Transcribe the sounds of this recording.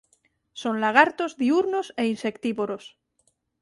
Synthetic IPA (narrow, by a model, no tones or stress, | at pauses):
so̞nlaɣ̞aɾt̪ozðiuɾnose̞inse̞kt̪iβoɾos